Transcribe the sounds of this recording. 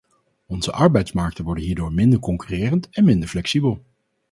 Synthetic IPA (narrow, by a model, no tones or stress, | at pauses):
ɔnz̥əʔɑɹbɛjtsmɑɹk̚tənʋɔɹdənɦiːɹdoːɹmɪndəɹkɔŋkyrɪːrəntɛnmɪndəɹflɛksibəlˠ